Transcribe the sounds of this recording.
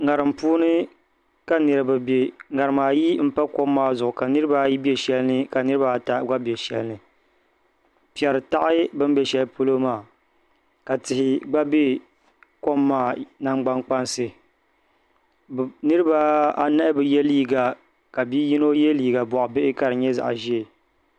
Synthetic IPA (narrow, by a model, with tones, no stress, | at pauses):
ŋa˨ɾɨ˨mpuː˦nɨ˦ | ka˨nɨ˨ɾɨ˨bɨ˨be˨ŋa˨ɾɨ˨maː˨ji˦m̩˦pa˦ko˦mːaː˦zʊ˨ʔʊ˨ka˨nɨ˦ɾɨ˦ba˦ji˦bɛ˨ʃɛ˦lɨ˦nɨ˦ka˨nɨ˦ɾɨ˦ba˨ta˦ɡa˦bɛ˨ʃɛ̰˦lɨ˦nɨ˨ | pi˨ɛ˨ɾɨ˨ta˦ʔɪ˦bɨ˦m˦bɛ˦ʃɛ˦lpo˦lo˦maː˨ | ka˨tɪ˨hɪ˨ɡ͡ba˦be˦ | ko˦mːaː˦˨na˦ŋ͡mɡ͡ba˦ŋk͡pa˦nsɨ˦˨ | nɨ˦ɾɨ˦ba˦a˦na˦bɨ˨jɛ˦liː˦ɡa˨ | ka˨biː˦ji˦no˦jɛ˦liː˦ɡa˨bɔ˨ʔʊ˨bɪ˦ʔɪ˦ka˨ɾɨ˨ɲɛ˦za̰˨ʔʒi˦e˨